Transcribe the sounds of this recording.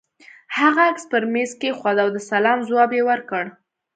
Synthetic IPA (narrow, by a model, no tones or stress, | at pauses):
haɣaakspəɾmezkexwɑd̪awd̪əsalɑmzwɑbjewəɾkəɽ